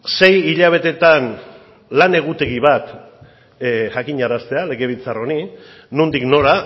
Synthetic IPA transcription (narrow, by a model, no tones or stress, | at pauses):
se̞jiʎaβ̞e̞t̪e̞t̪an | lane̞ɣ̞ut̪e̞ɣiβat̪ | ʝakiɲaɾast̪e̞ale̞ɣe̞β̞it͡saro̞ni | nund̪ikno̞ɾa